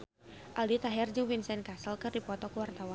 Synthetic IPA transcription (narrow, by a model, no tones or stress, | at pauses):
ʔalit̪aɦɛrd͡ʒɨŋfinsɛnkasəlkɨrdipɔt̪ɔkuwart̪awan